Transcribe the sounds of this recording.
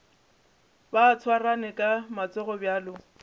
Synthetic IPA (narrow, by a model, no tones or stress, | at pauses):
baːt͡sʰwaranɪkʼamat͡sɛɣɔbjaːlʊ